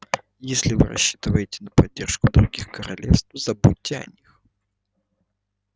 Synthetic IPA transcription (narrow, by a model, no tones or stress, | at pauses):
jesʲlʲɪvɨ̰ɾɐ̰ɕːi̥t̪ɨvəjɪtʲɪnəpɐd̚ʲːe̞rʂkʊd̪ɾʊɡʲixkəɾɐlʲefst̪fzɐbutʲːɪɐ̰nʲix